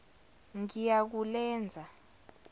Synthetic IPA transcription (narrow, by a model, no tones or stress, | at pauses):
ŋijak̬ulɛːnd͡zʱa